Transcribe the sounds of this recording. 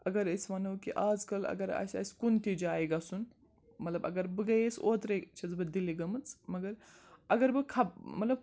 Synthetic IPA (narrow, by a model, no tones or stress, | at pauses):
ɐɡɐɾɐsʲʋɐnɐwkiʔaːd͡zkɐlɐ̰ɡɐɾa̰ːsʲɐ̰sʲkunt̪id͡ʒaːjɡɐsun | mɐt̪lɐbɐ̰ɡɐɾbɨɡɐjesoːt̪ɾɐjt͡ʃʰɐzbɨd̪iliɡɐmɨt͡smɐɡɐɾ | ɐɡɐɾbɨkʰɐbmɐt̪lɐb